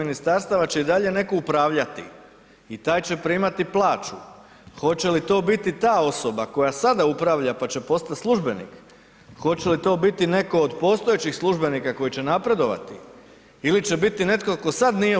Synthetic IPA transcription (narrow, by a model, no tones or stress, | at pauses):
inist̪aɾst̪aʋat͡ɕe̞id̪aʎe̞ne̞ko̞upɾaːʋʎat̪ḭ | it̪aːjt͡ɕe̞pɾimat̪iplˠaːt͡ʃu | xo̞t͡ɕe̞lit̪o̞ːbit̪it̪aːo̞so̞bako̞jasad̪aupɾaːʋʎapat͡ɕe̞po̞st̪at̪slˠuʒbe̞nḭk | xo̞t͡ɕelit̪o̞ːbit̪ine̞ko̞ːd̪po̞ːst̪o̞je̞t͡ɕixslˠuʒbe̞nikako̞jit͡ɕe̞napɾe̞d̪o̞ʋa̰t̪i | ilit͡ɕe̞bit̪ine̞t̪koko̞sad̪nije